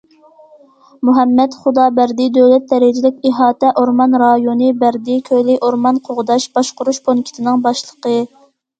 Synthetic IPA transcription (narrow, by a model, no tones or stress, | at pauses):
muɦɛmːɛt̪χud̪ɑːbæɾd̪id̪øwlɛt̪̚d̪ɛɾɪd͡ʒilɪkʲiɦɑːt̪ɛʔoɾmɑnɾɑjonɨbæɾd̪ikʲʰølɪʔoɾmɑnqʰoʁʊd̪ɑʃb̥ɑʃqʊɾuʃbonkʲʰi̥t̪ʰɪnɪŋbɑʃlˠə̥qə